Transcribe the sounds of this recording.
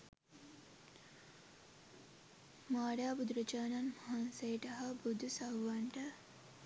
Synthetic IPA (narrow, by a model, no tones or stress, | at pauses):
maːɽaːbud̪ɾɐt͡ʃaːnanmɐɦansejʈɐɦabud̪ʱusɐwʋaɳʈə